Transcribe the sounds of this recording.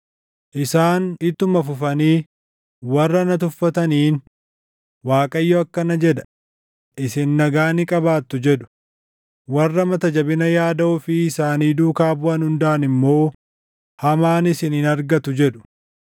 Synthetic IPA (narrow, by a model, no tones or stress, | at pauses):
ʔɪsaːnɪt̪ːʊmɐfʊfɐniː | wɐrːɐnɐt̪̬ʊfːɐt̪ɐniːn | waːkʼɐɪjːoɐkːɐnɐd͡ʒɛd̪ɐ̥ | ʔɪsɪnːɐɡaːnɪkʼɐbaːt̪ːʊd͡ʒɛᶑʊ̥ | wɐrːɐmɐt̪ɐd͡ʒɐbɪnɐjaːd̪ɐʊfɪɪsaːniːd̪uːkaːbʊɐnhʊnd̪ɐʔɐnɪmːo̞ː | hɐmaːnɪsɪnɪnɐɾɡɐt̪ʊd͡ʒɛᶑʊ̥